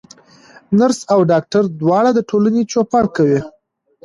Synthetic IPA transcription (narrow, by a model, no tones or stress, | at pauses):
naɾsawɖɑk̚ʈaɾd̪wɑɽad̪əʈʰolanet͡ʃopɑɳkawi